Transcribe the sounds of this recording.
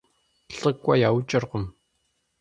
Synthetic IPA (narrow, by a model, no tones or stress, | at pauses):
ɬɨkʷʼɐ̰jaːwt͡ʃʼɪrqʷʊm